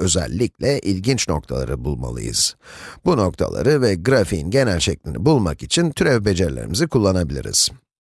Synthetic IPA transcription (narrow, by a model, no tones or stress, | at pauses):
ø̞zɛ̰lʲːiclʲɛʔilʲɟint͡ʃno̞k̚t̪ʰalˠa̰ɾɯbulˠma̰lˠɯ̰jɯ̰z̥buno̞k̚t̪ʰa̰lˠa̰ɾɯvɛɡɾafiinɟe̞nælʲʃɛclʲinibulˠmakit͡ʃʰint̪ʰyɾevbe̞d͡ʒeɾlʲe̞̰ɾḭmizikʰulˠːanabilʲḭɾḭz̥